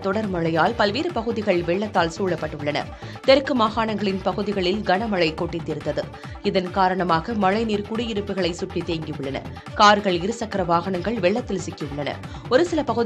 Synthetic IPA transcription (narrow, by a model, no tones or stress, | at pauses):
t̪ɔɽɐɾmɐɭɐjaːlpɐlʋeːɾɯpɐɣɯðɪɣɐɭʋɛɭːɐt̪ːaːlsuːɭɐpːɐʈːɯɭːɐnɐ̰ | t̪ɛɾɯkːɯmaːɣaːɳɐŋɡɐɭɪnpɐɣɯðɪɣɐɭɪlɡɐɳɐmɐɭɐɪkoʈːɪt̪ːɪɾɯnd̪ɐðɯ | ɪðɐnkaːɾɐɳɐmaːɣɐmɐɻɐɪniːɾkʊɽɪjɪɾɯpːɯɣɐɭɐɪsʊʈːit̪ːeːŋɡɪʋɯɭːɐnɐ̰ | kaːɾɣɐɭɪɾɯsɐkːɐɾɐʋaːɣɐɳɐŋɡɐɭʋɛɭːɐt̪ːɪlsɪkːɪɯɭːɐnɐ̰ | ɔɾɯsɪlɐpɐɣɯð